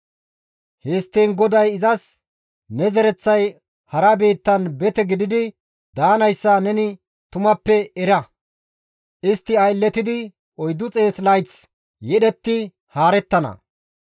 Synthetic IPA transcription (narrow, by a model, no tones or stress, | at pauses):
hɛst̪ːeːnɡɔd̪ɐjɪzɐs | nɛzɛɾɛt͡sːɐj | hɐɾɐbe̞ːt̪ːɐnbɛt̪ɛɡɪd̪ɪd̪ɪ | d̪aːnɐjsːanɛnɪ | t̪ʊmɐpːɛɛɾɐ | ʔɪst̪ːɪɐjlːɛt̪ɪd̪ɪ | ɔjd̪ːʊt͡sʼe̞ːslɐjt͡s | jɛɗɛt̪ːɪ | haːɾɛt̪ːɐnɐ̰